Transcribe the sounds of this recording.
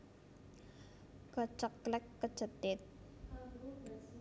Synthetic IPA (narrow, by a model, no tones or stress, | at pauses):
ɡ̥ɔt͡ʃɔkːlɛkːə̥t͡ʃə̤t̪ɪt̪̚